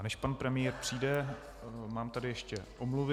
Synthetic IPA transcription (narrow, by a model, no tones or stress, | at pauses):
nɛʃpanpɾɛmɪjɛːɾpr̝̥iːdɛ | maːmt̪adɪjɛʃcɛʔomluvɪ